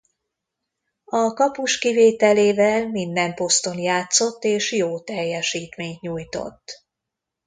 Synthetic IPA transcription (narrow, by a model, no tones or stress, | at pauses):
ɒkɒpuʃkiveːt̪ɛleːvɛlmind̪ɛmpo̞st̪o̞njaːt̪so̞t̪ːeːʃjoːt̪ɛjːɛʃiːt̪meːɲt̪ɲuːjt̪o̞̰t̪ː